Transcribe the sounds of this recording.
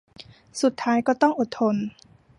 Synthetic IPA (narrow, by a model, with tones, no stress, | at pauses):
su˨˩t̪ʰːaː˦˥jkɔː˧˩t̪ɔ˥˩ŋʔo˨˩t̪ʰːo˧˥n